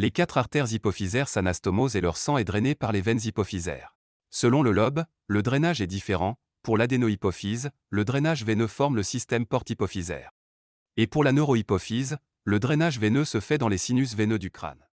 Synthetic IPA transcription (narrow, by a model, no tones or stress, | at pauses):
lekat̪χaʁt̪ɛʁzipɔfizɛʁsanast̪ɔmozelœʁsɑ̃ɛd̪ʁɛnepaʁlevɛnzipɔfizɛ̰ːʁ | səlɔ̃ləlɔb | ləd̪ʁɛnaʒɛd̪ifeʁɑ̃ | puʁlad̪enoipɔfiz | ləd̪ʁɛnaʒvenøfɔʁmləsist̪ɛmpɔʁt̪ipɔfizɛ̰ːʁ | epuʁlanøʁɔipɔfiz | ləd̪ʁɛnaʒvɛnøsəfɛd̪ɑ̃lesinys̬venød̪ykχa̰n